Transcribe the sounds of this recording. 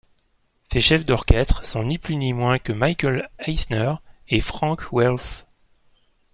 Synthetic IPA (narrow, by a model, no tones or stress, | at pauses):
seʃɛfd̪ɔʁkʲɛst̪χsɔ̃niplynimwɛ̃kəmajkəlajsnœʁefχɑ̃kwɛls